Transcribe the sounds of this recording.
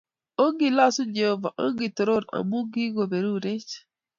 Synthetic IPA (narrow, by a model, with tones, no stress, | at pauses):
o˦ɡi˨la˦su˦d͡ʒe˨ho˦va̰˨ʔo˦ɡi˨to˨ɾo˦˨ɾa̰˨mu˦ɡi˦ɡo˨be˨ɾu˦ɾe˦t͡ʃ